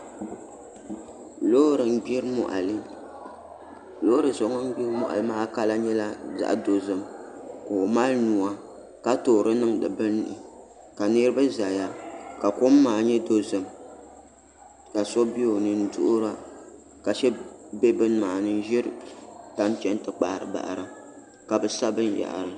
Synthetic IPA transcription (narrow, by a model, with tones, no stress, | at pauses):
lo˦ɾɨ˨ŋ˦ɡ͡bi˦ɾmɔ˦˨ʔa̰˨lɨ˦ | lo˦ɾɨ˨zo˨ŋɔ˦ŋ˦ɡ͡bi˦ɾmɔ̰˦˨ʔa̰˨lɨ˦maː˦ka˦la˦ɲɛ˦la˦za̰˨ʔdo˨zɨ˨mkoː˨ma˦lnu˨a˦ | ka˦toː˨ɾɨ˦nɨ˦ŋdɨ̰˨bɨ˦n˨ʔɪ̰˨ | ka˨ni˦ɾɨ˦bɨ˦za˨ja˦ka˨kʊ˦mː˦aː˨ɲɛ˦do˦zɨ˨m | ka˨sɔ˦bi˦jo˨nɨ˦n̩˦dʊ̰˦ʔʊ˦ɾa˦ | ka˨ʃɛ˦bɛ˦bɨ˦n˦maː˨nɨ˦n˦ʒɛ˦ɾɨ˦ta˨˦m˦t͡ʃɛ˦n˦tɨ˨k͡pa̰˨ɾɨ̰˨ba̰˨ʔɾɨ˨ | ka˨bɨ˨sa˦bɨ˦n˦ja̰˨ʔɾɨ˨